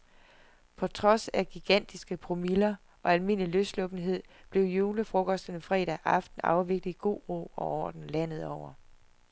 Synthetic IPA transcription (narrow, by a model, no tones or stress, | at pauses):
pʰɒ̽t͡sʰʁɒ̽sæɡ̥iɡ̥æn̰d̥isɡ̥əpʰʁo̝milɐ | ʔɒ̽ælme̝n̰liløslɔ̽b̥n̩ɦe̝ð̞̰ˠb̥le̝ʊjuːləfʁɔ̽kʰɒ̽sd̥ənfʁɛ̰ːd̥æʔɑ̈fd̥n̩ɑ̈ʊʋe̝ɡ̥d̥iɡ̥o̝̰ːʁo̰ɒ̽ɒ̰ːd̥n̩læn̰ð̞̩ˠɒʊ̰ɐ